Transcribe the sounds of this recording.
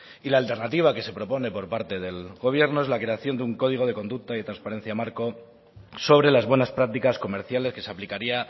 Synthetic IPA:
ilaːlt̪e̞ɾnat̪iβ̞ake̞se̞pɾo̞po̞ne̞po̞ɾpaɾt̪e̞ðe̞lɣo̞β̞je̞ɾno̞e̞zlakɾe̞aθjo̞nd̪uŋko̞ð̞iɣ̞o̞ð̞e̞ko̞nd̪uk̚t̪aiðet̪ɾanspaɾe̞n̟θjamaɾko̞ | so̞βɾe̞lazβwe̞naspɾak̚t̪ikasko̞me̞ɾθjale̞ske̞saplikaɾia

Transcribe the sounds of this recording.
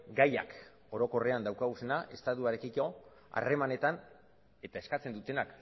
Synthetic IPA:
ɡaja̰k | o̞ɾo̞ko̞re̞and̪awkaɣuse̞naʔe̞st̪aðuaɾe̞kiko | a̰re̞mane̞t̪an | e̞t̪ae̞skat͡se̞nd̪ut̪e̞nak

